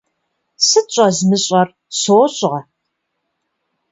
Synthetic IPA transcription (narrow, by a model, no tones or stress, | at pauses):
sɨt͡ʃʷʼɐzmɨɕʼɐr | soːɕʼʁɐ